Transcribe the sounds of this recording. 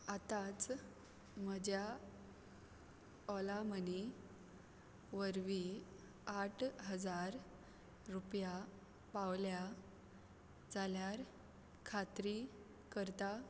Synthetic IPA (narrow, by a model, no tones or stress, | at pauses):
at̪at͡s | məd͡ʑja | ɔlaməni | ʋəɾʋi | aʈʰɦəd͡zaɾː | upja | paʋlja | d͡zaljaɾ | kʰat̪ɾi | kəɾt̪a